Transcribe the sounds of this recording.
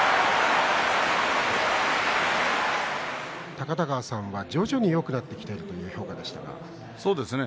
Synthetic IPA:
t̪akat̪aɡaːsãɰ̃βad͡ʑo̞ːʑo̞ɲ̟ijo̞kɯ̟nat̪ːe̞kʲi̥t̪e̞iɾɯ̟t̪o̞jɯ̟ːço̞ːkad̪e̞ɕi̥t̪a̰ɡa̰ | so̞ːd̪esɨne

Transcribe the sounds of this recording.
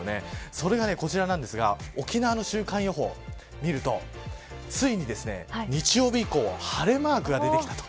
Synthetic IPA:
ne̞̰so̞ɾe̞ɡane̞ko̞t͡ɕiɾanãnd̪e̞sɨɡa̰okʲinaβano̞ɕɨːkãɰ̃jo̞ɦo̞ | mʲiɾɯ̟t̪o̞ | t͡sɨiɲ̟id̪e̞sɨne̞̰ɲ̟it͡ɕijo̞ːbʲiiko̞ːhaɾe̞maːkɯ̟ɡad̪e̞t̪ekit̪ḁt̪o̥

